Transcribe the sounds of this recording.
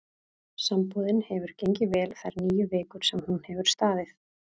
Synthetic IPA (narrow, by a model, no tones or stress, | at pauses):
sampɔðɪnhɛvʏɾ̥cejɲcɪvɛːlθaɾniːjʏveːkʏɾ̥sɛmhunhɛvʏɾ̥st̪aːðɪθ